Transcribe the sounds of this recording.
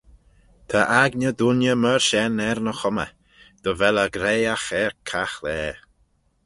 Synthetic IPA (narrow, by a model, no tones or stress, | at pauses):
t̪ʰaʔaɡnəd̪unjəməɹʃɛnɛɾnəxɔmə̰ | d̪̥əvɛləɡɾeːaxɛɹkʰaxlɛː